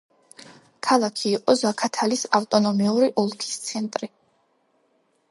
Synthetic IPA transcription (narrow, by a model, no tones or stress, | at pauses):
kʰalˠakʰiːqʼɔzakʰat̪ʰalisaft̪ʼɔnɔmiuɾiʔɔlˠkʰi̥st̪sʰɛnt̪ʼɾi